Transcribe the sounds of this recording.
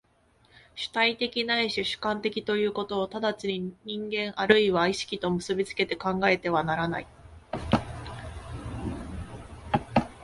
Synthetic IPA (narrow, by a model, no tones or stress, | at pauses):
ɕɨ̥t̪ait̪e̞kʲinaiɕɨɕɨ̥kãnt̪e̞kʲit̪o̞jɯ̟ːko̞t̪o̞ːt̪ad̪at͡ɕiɲiɲ̟ĩŋɡẽ̞ɰ̃ʔaɾɯ̟iβaiɕi̥kʲit̪o̞mɯ̟sɨbʲit͡sɨ̥ke̞t̪e̞kãŋɡae̞t̪e̞β̞anaɾana̰i